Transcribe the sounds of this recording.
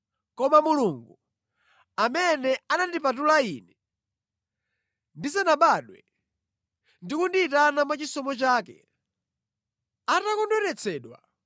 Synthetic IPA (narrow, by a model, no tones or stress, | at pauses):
kɔmamuluŋɡu | amɛnɛanandipat̬ulaiːnɛ | ndisanaɓaɗwɛ̰ | ndikundiːtanamwat͡ʃisɔmɔt͡ʃaːkɛ | atakɔndwɛɾɛt͡sʰɛːɗwa̰